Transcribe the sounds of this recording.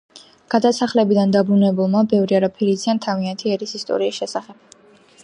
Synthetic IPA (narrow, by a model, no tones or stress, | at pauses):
ɡ̥ad̪asaχlɛbid̪and̪abɾunɛbulˠmabɛvɾiaɾapʰiɾiziant̪ʰaviant̪ʰiɛɾisist̪ʼɔ̰ɾiːsʃɛsaχɛb̥̚